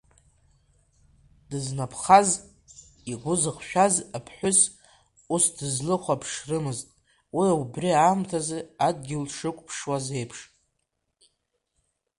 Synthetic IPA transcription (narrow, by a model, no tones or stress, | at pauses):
d̥ɨznapʰχaz | iɡʷʊzɨqʃᶣazapʰħʷᶣʊs | usdɨzlɨχʷapʰʂrɨmɨztʼ | wiaubriamtʰazɨadɡʲɪlʂɨkʷʼpʰʂwaze̞jpʰʂtʼ